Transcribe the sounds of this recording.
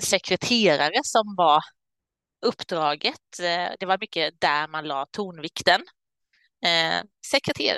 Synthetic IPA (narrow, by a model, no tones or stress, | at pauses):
sɛkʰɾɛt̪ʰeːɾaɾəsɔmvaɾ | ɵpːd̪ɾɑːɡət̪d̪ɛvaɾmʏkːəd̪æɾmanlɑːt̪ʰuːnvɪkt̪ən | sɛkɾɛt̪ʰḛːɾ̰